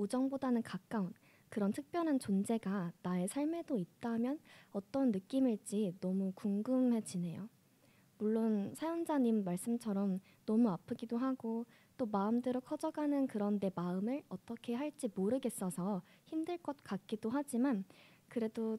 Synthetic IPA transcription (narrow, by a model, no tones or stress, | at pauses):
ud͡ʑʌŋbodanɯnkak͈̚aun | kɯɾʌntʰɯk̚p͈jʌnɦant͡ɕond͡ʑe̞ɡanae̞sʰaɭme̞doit̚t͈amjʌnʌt͈ʌnːɯk͈imiɭt͡ɕ͈inʌmukuŋɡɯmhe̞d͡ʑine̞jo̰ | muɭːonsʰajond͡ʑaɲimːaɭs͈ɯmt͡ɕʰʌɾʌm | nʌmuapʰɯɡidoɦaɡo | t͈omaɯmdɯɾokʰʌd͡ʑʌɡanɯnkɯɾʌnde̞maɯmɯɭʌt͈ʌkʰe̞ɦaɭt͡ɕ͈imoɾɯɡe̞s͈ʌsʰʌ | çimdɯɭk͈ʌt̚k͈ak̚k͈idoɦad͡ʑiman | kɯɾe̞do